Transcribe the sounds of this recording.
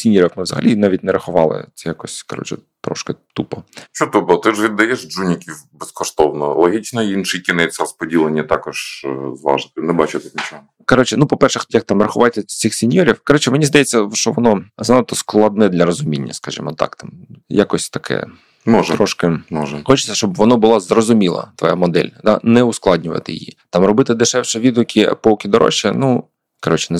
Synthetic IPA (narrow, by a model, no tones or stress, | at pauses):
sʲinʲjɾʲiwmɪʋzɐ̰ɦɐ̰lʲinɑʋʲitʲnɛɾɐxʊʋɑlˠɪ̰ɛjakɔsʲkɔɾɔ̰t͡ʃɛ̰t̪ɾɔ̰ʃkɪt̪upɔt͡ʃɔt̪upɔt̪ɪʒʋʲid̪ːɐjɛʃd͡ʒunʲɪkʲiwbɛskɔʃt̪ɔwnɔlˠɔɦʲit͡ʃnɐinʃɪjkʲɪnɛt͡sʲsʲɐɾɔspɔdʲilˠenʲːɐt̪ɑkɔʒ̥zʋɑ̰ʒɪt̪ɪnɛbɑt͡ʃɪt̪ɛnʲit͡ʃɔɦɔ | kɔɾɔt͡ʃɛnupɔpɛrʃɛxt̪jɐk̚t̪ɑmrɐxʊʋɑjt̪ɛt͡sʲixsʲenʲjɔɾʲiwkɔɾɔt͡ʃɪmenʲizd̪ɐjɛt͡sʲːɐʃt͡ʃɔʋɔnɔznɐt̪ɔsklˠɐd̪̚nɛd̪lʲɐɾɔzʊmʲinʲːɐ̰skɐʒʲḭmɔt̪ɑ̰kt̪ɑmjakɔsʲt̪ɐkʰɛ̰ | mɔʒt̪ɾɔʃkɪmɔʒɛxɔt͡ʃɪ̥t͡sʲːɐʃt͡ʃɔbʋɔnɔbʊlˠɑzrɔzʊmʲilˠɐ̰t̪ʋɔjamɔd̪ɛ̰lʲd̪anɛʊsklˠɑdʲnʲʊʋɐ̰t̪ɪ̰j̰jḭt̪ɑmrɔbɪt̪ɪd̪ɪʃɛwʃɛʋʲid̪ʊkʲipɔwkʲid̪ɔɾɔ̰ʃːinu | kɔɾɔt͡ʃɪ̥nɛ